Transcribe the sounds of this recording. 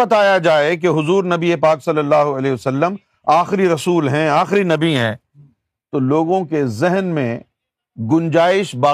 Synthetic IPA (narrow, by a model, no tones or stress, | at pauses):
ɐt̪aːjad͡ʒaːek̬eɦʊzuːɾnɐbiepaːksɐlːəlːaːɦoɐleɦɐsɐlːəm | aːxɾiɾɐsuːlɦɛ̃aːxɾinɐbiɦɛ̃ː | t̪oloːɡõkezɛɦnmẽ | ɡʊ̃nd͡ʒaːɪʃbaː